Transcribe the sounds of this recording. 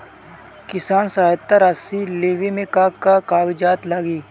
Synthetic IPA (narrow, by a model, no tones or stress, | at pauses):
kɪsaːnsaːjət̪ːaɾaːsileːʋimẽkaːkakaːʋɪd͡ʒaːt̪laɡiː